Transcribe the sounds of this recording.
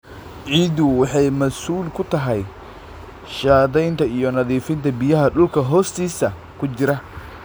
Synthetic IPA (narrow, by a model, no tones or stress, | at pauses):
ʕiːd̪ʊwɑħɑjmɐsuːlkʰʊt̪ʰɐɦɛj | ʃaːðɛjnt̪ʰɐijɔnɐðiːfɪnt̪ʰɐbɪjɐɦɐɗʊlkʰɐɦɔːst̪ʰiːsɐ | kʰʊt͡ʃɪɾɐ